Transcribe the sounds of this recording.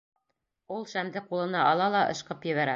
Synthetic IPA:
ulˠʃæmd̪ɘqulˠɤ̆nɑʔɑlˠɑlˠɑʔɤ̰̆ʃqɤpjɘ̆βæɾæ

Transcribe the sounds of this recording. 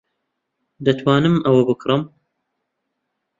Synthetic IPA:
d̪ɐt̪ʰwaːnɨmʔɐwɐbɨkʰɾɨm

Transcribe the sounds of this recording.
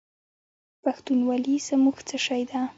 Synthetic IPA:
paxt̪unwalisəmuxt͡səʃajd̪a

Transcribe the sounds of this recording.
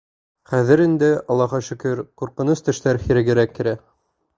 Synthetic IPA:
χæðɘɾind̪ɘɑlˠːɑʁɑʃɵ̆kɘɾquɾqɤ̆nost̪ɘ̆ʃt̪æɾhiɾɘ̆ɡɘ̆ɾækːɘ̆ɾæ

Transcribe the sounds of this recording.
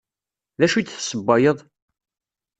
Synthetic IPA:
ðæʃut̪θsːəbːɑjəðˤ

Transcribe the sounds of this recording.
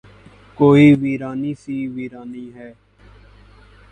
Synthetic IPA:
koːiːʋiːɾaːniːsiːʋiːɾaːniːɦɛː

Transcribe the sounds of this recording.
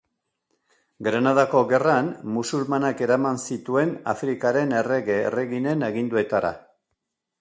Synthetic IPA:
ɡɾanað̞ako̞ɣe̞ranmusulmanake̞ɾamansit̪ue̞na̰fɾikaɾe̞ne̞re̞ɣḛːre̞ɣine̞neɣ̞ind̪ue̞t̪aɾa̰

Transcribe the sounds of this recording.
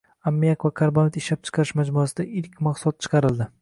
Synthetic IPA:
amːijakvakʰaɾbamet̪ɪʃlap̚t͡ʃʰɨ̥qʰɑɾɪʃmad͡ʒmuasɪd̪aɪlkʲmaqsʊt̪̚t͡ʃʰɨ̥qʰɑɾɪld̪ɪ

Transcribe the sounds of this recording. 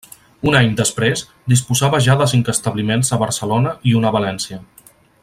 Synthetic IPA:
unaɲd̪əspɾez | d̪ispuzaβəʒaðəs̬iŋkəst̪əβlimenzəβəɾsəlonəiunəβəlɛnsiə

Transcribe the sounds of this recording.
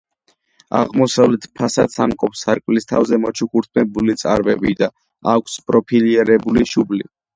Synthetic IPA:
a̰ʁmɔsavlɛt̪ʰpʰasat̪samkʼɔpsaɾkʼvlist̪ʰavzɛmɔt͡ʃʰukuɾt̪ʰmɛbulit̪sʼa̰ɾbɛbid̪a | akʷʰspʼɾɔpʰiliɛɾɛbuliʃubli

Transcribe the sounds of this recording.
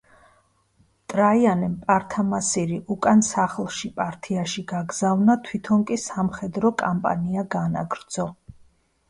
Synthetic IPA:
t̪ʼɾaianɛmpʼaɾt̪ʰamasiɾiʔukʼansaχlˠʃipʼaɾt̪ʰiaʃiɡaɡz̥avnat̪ʰwit̪ʰɔnkʼisamχɛd̪ɾɔkʼampʼa̰niaɡana̰ɡɾd̪z̥ɔ

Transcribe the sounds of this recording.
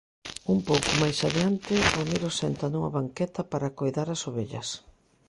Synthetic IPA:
umpowkʊmajsaðeant̪ɪomiɾosɛnt̪ɐnuŋɐβaŋkɛt̪ɐpaɾakojðaɾasoβeʎɐ̰s

